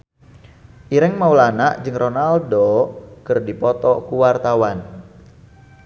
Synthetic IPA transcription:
ʔiɾəŋmaulanaʔd͡ʒɨŋrɔnaldokɨrdipɔt̪ɔkuwart̪awan

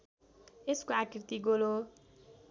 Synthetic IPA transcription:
eskoakirt̪iɡolo

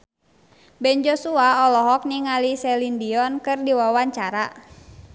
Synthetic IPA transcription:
bɛnd͡ʒɔsuaɔlɔɦɔk̚niŋalisɛlindiɔnkɨrdiwawaɲt͡ʃaɾa

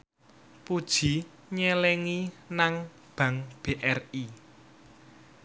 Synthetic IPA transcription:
pud̥ʒ̥i̤ | ɲɛlɛŋinaŋ | b̥ä̤ŋb̥e̤ʔɛri

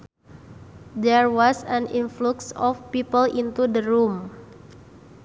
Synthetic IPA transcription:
dɛɹwɔsɛ̃ninfluksɔfpipəlʔint̪udəɾum

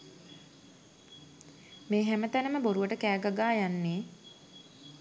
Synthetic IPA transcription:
meːɦæmət̪ænəməboɾuʋəʈəkæːɡaɡaːjanːeː

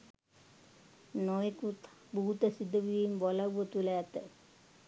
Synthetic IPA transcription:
nɔjekut̪buɦut̪əsid̪əʋiimbɔlawʋət̪ulaːt̪ə

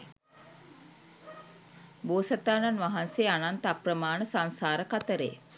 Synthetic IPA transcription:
boːsat̪aːnanʋaɦanseːanant̪əaprəmaːnəsaŋsaːɾəkat̪əɾḛː

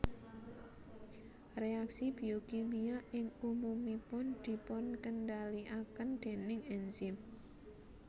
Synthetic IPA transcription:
reaksib̥iokimiaʔɪŋumumipʊnd̪̥i̤pʊnkənɖaliʔakənd̪̥e̤nɪŋɛnsɪm

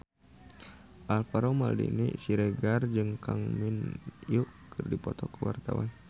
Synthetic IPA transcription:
ʔalfaɾomaldḭnḭsiɾeɡard͡ʒɨŋkaŋminjukː | ɨrdipɔt̪ɔkəwart̪awa̰n

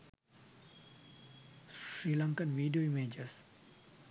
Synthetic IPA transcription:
sɹilãŋkə̃nvidioimed͡ʒəs

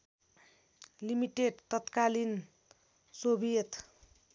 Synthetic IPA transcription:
limiʈeɖt̪ʌt̪kalin | sobʱijʌt̪

